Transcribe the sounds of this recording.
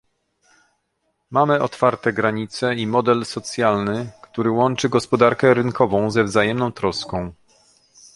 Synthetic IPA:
mamɘʔɔt̪faɾt̪ɛɡɾaɲit̪sɛimɔd̪ɛlsɔt̪sʲjalnɘkt̪uɾɘwɔnt͡ʂɘɡɔspɔd̪aɾkɛɾɘnkʰɔvɔ̃w̃zɛvzajɛmnɔ̃w̃t̪ɾɔskɔ̃w̃

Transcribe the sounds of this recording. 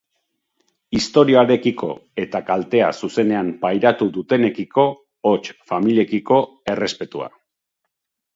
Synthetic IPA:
ist̪o̞ɾioaɾe̞kiko̞̰e̞t̪akalt̪e̞a̰suse̞ne̞ampajɾat̪uðut̪e̞ne̞kiko̞ː | t͡ʃfamilie̞kiko̞ | e̞re̞spe̞t̪ua̰

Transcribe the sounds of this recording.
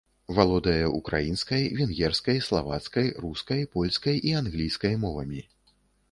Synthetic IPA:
valˠɔd̪ɐjɛʔukɾajinskɐjvʲɛnɣʲɛrskɐjslˠavat̪skɐjruskɐjpɔlʲskɐjianɣlʲijskɐjmɔvɐmʲi

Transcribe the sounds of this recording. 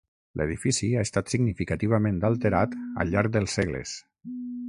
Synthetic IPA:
lʔḛðifisiaest̪at̪siɡnifikat̪iβ̞amẽnd̪alˠt̪eɾat̪ə̰ʎaɾk̚d̪əlˠsːeɣlḛs

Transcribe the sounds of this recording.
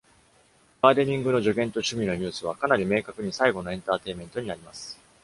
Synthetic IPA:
ɡ̥aːd̪eɲ̟ʲĩŋɡɯ̟no̞ʑo̞ɡʲẽ̞nt̪o̞ɕɨmʲino̞ɲ̟ɨːsɨβ̞akanaɾʲime̞ːkakɯ̟ɲ̟isaiɡo̞no̞ẽ̞nt̪aːt̪e̞imẽ̞nt̪o̞ɲ̟inaɾʲimasɨ̥

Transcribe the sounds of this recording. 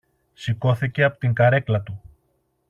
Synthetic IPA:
siko̞θice̞ɐpo̥t̪iŋɡɐɾe̞klɐt̪u

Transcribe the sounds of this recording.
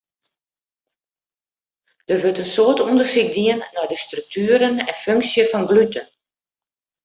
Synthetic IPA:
d̥ərʋøtənsoətundərsikdiənːɔjdəstryk̚tʰyːəɾənɛ̰nføŋksjəfɔnɡlytən

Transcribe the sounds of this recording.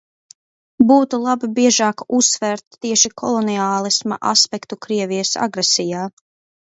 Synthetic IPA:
buːt̪ulˠabibiɛʒaːkusːvɛɾt̪ːiɛʃikʰɔ̰lˠɔniaːlˠisma̰ʔa̰spɛkt̪ukɾiɛvijəsa̰ɡɾɛsijaː

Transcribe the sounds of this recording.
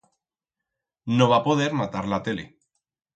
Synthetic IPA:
noβapo̞ð̞e̞ɾmat̪aɾlat̪ele

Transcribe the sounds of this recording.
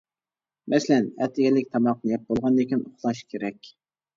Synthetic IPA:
mʔɛslɛnɛ̰t̪ʰɪɡʲɛlɪk̚ʲt̪ʰɑmɑqnɨjɛp̚bolˠʁɑnd̪ekʲinoχlˠɑʃkʲʰeɾɛkʲ

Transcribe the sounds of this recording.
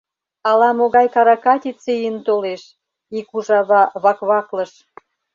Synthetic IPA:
ɑlɑmoɣɑjkɑɾɑkɑt̪ʲit͡sejənt̪oleʃ | ikuʒɑβɑβɑkβɑkləʃ

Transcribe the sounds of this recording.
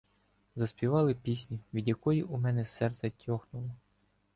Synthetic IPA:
zɐsʲpʲiʋɑlˠɪpʲisʲnʲiʋʲid̪ʲjɐkɔjiʔumɛnɛsɛrt̪sʲɛtʲʰɔxnʊlˠɔ

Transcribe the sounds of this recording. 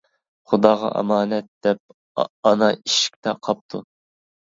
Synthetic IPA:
χʊd̪ɑːʁɑ̰ʔɑ̰mɑːnɛt̪̚d̪̥ɛp̚ | ɑnɑiʃi̥k̚ʲt̪ʰɛqʰɑp̚t̪ʰu

